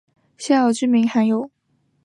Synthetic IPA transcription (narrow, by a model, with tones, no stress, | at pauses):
ɕɛ˥˩jɑ˨˩t͡ɕy˥˩mi˧˥ŋxa˧˥njo˨˩˦ʊ